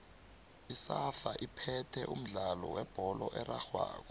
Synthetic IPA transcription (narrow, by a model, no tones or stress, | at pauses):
isafaʔipʰɛtʰɛʔum̩ɮalɔwɛb̥ʱɔlɔʔɛraxwa̰ːk̬ɔ